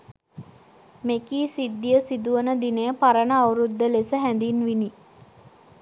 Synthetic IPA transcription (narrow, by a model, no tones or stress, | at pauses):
mekiːsid̪ːijəsid̪uʋənəd̪inəjəpaɾənəawɾud̪ːəlesəɦænd̪inʋini